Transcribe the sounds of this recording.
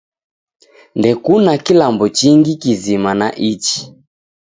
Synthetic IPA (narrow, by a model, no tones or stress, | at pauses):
ndɛkunakilambɔt͡ʃiŋɡikizimanaʔit͡ʃi̥